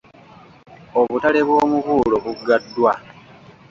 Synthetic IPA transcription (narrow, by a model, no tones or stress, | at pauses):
o̞βutale̞βwo̞ːmukuːlo̞βuɡːadːwa